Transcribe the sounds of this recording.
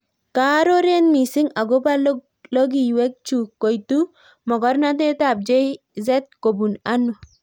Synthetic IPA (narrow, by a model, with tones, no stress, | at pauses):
ka˦ɾo˦ɾe˦nmi˨sɪ˦ŋa˨ɡo˦ba˦l | lo˦ɡi˨we˦k̚t͡ʃu˨kːo˨jtu˦ | mɔ˨ɡɔ˦ɾna˦t̬e˦ta˨b̚d͡ʒe˦ | zɛ˦t̚ko˨bu˨na˦nɔ˨